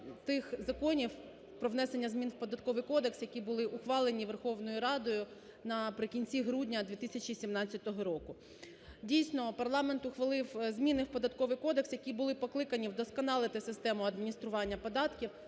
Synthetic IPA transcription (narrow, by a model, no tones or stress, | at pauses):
t̪ɪxzɐkɔnʲiw | pɾɔʋnɛsenʲːɐzmʲinwpɔd̪ɐt̪kɔʋɪjkɔd̪e̞ksjɐkʲibʊlˠɪʔʊxʋɑlˠenʲiʋerxɔwnɔjʊɾɑd̪ɔjʊ | nɐpɾɪkʲinʲt͡sʲiɦɾudʲnʲɐd̪ʋʲit̪ɪsʲɐt͡ʃʲisʲimnɑt͡sʲːɐt̪ɔɦɔɾɔkʊ | dʲijsʲnɔpɐrlˠɑment̪ʊxʋɐlˠɪwzʲmʲinɪwpɔd̪ɐt̪kɔʋɪjkɔd̪e̞ksjɐkʲibʊlˠɪpɔklˠɪkɐnʲiwd̪ɔskɐnɑlˠɪt̪ɪsɪst̪ɛmʊɐd̪mʲinʲist̪ɾʊʋɑnʲːɐpɔd̪ɑt̪kʲiw